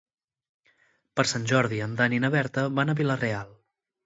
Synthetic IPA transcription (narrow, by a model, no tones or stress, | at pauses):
pəɾsanʲʒɔɾðiənd̪aninəβɛɾt̪əβanəβilərealˠ